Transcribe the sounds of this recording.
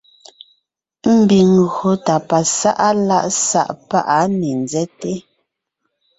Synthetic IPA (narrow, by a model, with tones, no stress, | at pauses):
m̩˨bi˨ŋ˨ɡɣo˨ta˨pa˨sa˦ʔa˦la˦ʔsa˦˨ʔpa˦ʔa˦ne˨n˨d͡zɛ˦te˦